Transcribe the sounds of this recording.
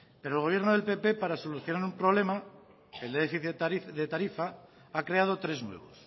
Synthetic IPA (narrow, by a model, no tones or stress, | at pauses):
pe̞ɾolɣo̞β̞je̞ɾnoð̞e̞lpe̞pe̞paɾaso̞luθjo̞naɾumpɾoβle̞ma | eld̪efiθeðet̪aɾifa | akɾe̞að̞o̞t̪ɾe̞znwe̞̰β̞o̞̰s